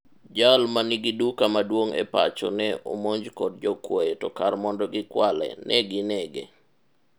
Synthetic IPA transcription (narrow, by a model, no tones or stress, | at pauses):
d͡ʒalmaniɡidukamadwoŋɛ̰pa̰t͡ʃɔ̰nɛomoɲd͡ʒkɔd̚d͡ʒɔkwojetɔkarmɔndɔɡɪkwalɛ̰nʔɛɡɪnɛɡḛ